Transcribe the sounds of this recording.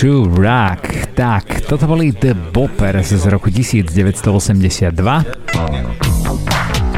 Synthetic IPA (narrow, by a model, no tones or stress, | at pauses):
uɾakt̪akt̪ɔt̪ɔbɔlid̪əbɔpɛɾszɾɔkucisiːd͡zɟɛʋɛtst̪ɔɔsɛmɟɛsɪad̪ːʋa